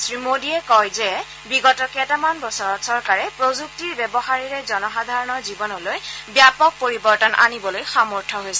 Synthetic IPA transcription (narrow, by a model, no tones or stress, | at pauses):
sɹimodiɛkɔjzɛ | biɡɔtɔkɛtamanbɔsɔɹɔtsɔɹkaɹɛpɹozuk̚tiɹbɛbɔxaɹiɹɛzɔnɔxadʱaɹɔnɔɹzibɔnɔlojbjapɔk̚poɹibɔɹtanʔa̰nibɔlojxamɔɹtʰɔɦojsɛ